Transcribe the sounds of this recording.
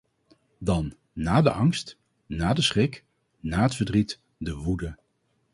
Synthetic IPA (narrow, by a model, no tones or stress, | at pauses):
dɑnː | aːdə̰ʔɑŋst | naːdəsχɪk | naːɦətfəɹdrit | dəʋudə